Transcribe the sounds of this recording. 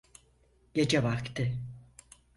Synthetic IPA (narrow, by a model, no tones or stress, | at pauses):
ɟ̥e̞d͡ʒɛvaɾkt̪ʰɯ